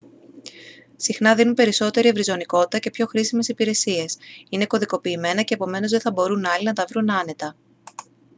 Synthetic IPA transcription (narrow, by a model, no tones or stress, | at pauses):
sixnɐðinunpe̞ɾiso̞t̪e̞ɾie̞vɾizo̞niko̞t̪i̥t̪ɐce̞pço̞xɾisime̞sipiɾe̞sie̞sine̞ko̞ðiko̞piːme̞nɐce̞ːpo̞me̞no̞zðe̞θɐbo̞ɾunɐlinɐt̪ɐvɾunɐne̞t̪ɐ